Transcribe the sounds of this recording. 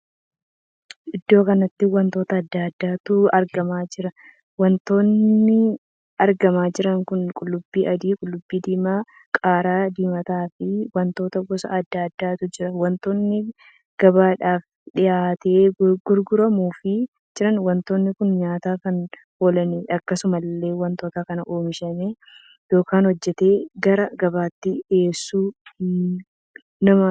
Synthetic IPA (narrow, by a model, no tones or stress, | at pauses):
ʔɪd̪ːo̞ːkɐnɐt̪ːɪwɐnt̪o̞ːt̪ɐːd̪ːad̪ːaːt̪ʊɐɾɡɐmaːd͡ʒɪɾɐ | wɐnt̪o̞ːnːɪ | ɐɾɡɐmaːd͡ʒɪɾɐŋkʊnkʼʊlːʊbːiːʔɐd̪iːkʼʊlːʊbːiːd̪iːmaː | kʼaːɾaːd̪iːmɐt̪aːfɪwɐnt̪o̞ːt̪ɐɡɔsɐ̰ɐd̪ːaːd̪ːaːt̪ʊd͡ʒɪɾɐwɐnt̪oːnːɪ | ɡ̥ɐbaːᶑaːf | ᶑɪjaːt̪eːɡʊɾɡʊɾɐmuːfɪ | d͡ʒɪɾɐnwɐnt̪o̞ːnːɪkʊnɲaːt̪aːkɐn | oːlɐnɛʔɐkːɐsʊmɐlːe̞ːwɐnt̪oːt̪akɐnɐʔoːmɪʃɐme | jo̞ːkaːnhɔd͡ʒːɛt̪e̞ːɡɐɾɐɡɐbaːt̪ːɪeːsːuː | nɐmɐ